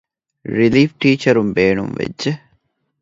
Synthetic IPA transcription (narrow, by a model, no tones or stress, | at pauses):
ɾiliːfʈiːt͡ʃɐɾumbeːnṵmʋḛdʒe